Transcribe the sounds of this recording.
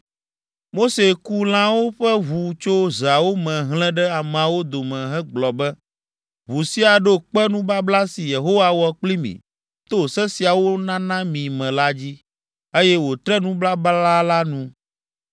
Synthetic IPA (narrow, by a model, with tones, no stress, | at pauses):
mo˦se˨ku˦l̃ã˦wo˦ɸɛ˦βu˨t͡ʃo˦za˨wo˦mɛ̃˨ɦl̃ɛ̃˦ɖɛ˦a˨m̃˨wo˦d̪o˨mɛ̃˨ɦɛ˦ɡ͡blɔ˨bɛ˦ | βu˨si˦a˨ɖo˦k͡pɛ˦nũ˦bla˦bla˦si˨je˨ɦo˦wa˨wɔ˨k͡pli˦mḭ̃˨ | t̪o˦˨sɛ˦si˨a˨wo˦nã˦nã˦mĩ˨mɛ̃˨la˦d͡ʑi˦ | e˦jɛ˦wo˨t̪ɾɛ˦nũ˦bla˦ba˦la˦la˦nũ˦